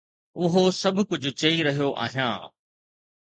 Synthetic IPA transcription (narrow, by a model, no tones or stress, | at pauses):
ʊɦosɐbʱʊkʊd͡ʑʱʊ̆t͡ɕɐiɾɐɦijoʔa̰ːɦijã̰ː